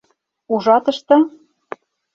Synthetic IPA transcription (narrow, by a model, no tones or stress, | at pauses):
uʒɑt̪ɤ̆ʃt̪ɤ